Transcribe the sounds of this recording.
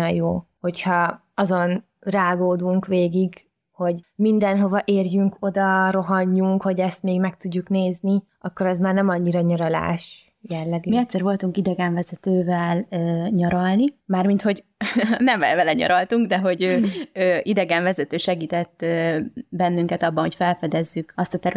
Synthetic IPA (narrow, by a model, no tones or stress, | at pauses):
ɒjjoː | ho̞chɒ | ɒzo̞n | raːɡoːd̪uŋkʋeːɡiɡ | ho̞ɟmind̪ɛnɦo̞vɒʔeːrjyŋko̞d̪ɒro̞ɦɒɲːuŋkho̞ɟɛst̪meːɡmɛkt̪uɟːukneːzni | ɒkːo̞ɾɛzmaːrnɛmɒɲːiɾɒɲɒɾɒla̰ːʃ | jɛlːɛɡymiɛt̪sɛɾvo̞lt̪uŋkid̪ɛɡɛɱvɛzɛt̪øːvɛløːɲɒɾɒlnimaːrmint̪ho̞ɟ | nɛmvɛvɛlɛɲɒ̰ɾɒlt̪uŋɡd̪ɛɦo̞ɟøːøːʔid̪ɛɡɛɱvɛzɛt̪øːʃɛɡiːt̪ɛt̪ː | bɛnːyŋkɛt̪ɒbːɒnho̞cfɛlfɛd̪ɛzːykɒst̪ɒt̪ɛɾ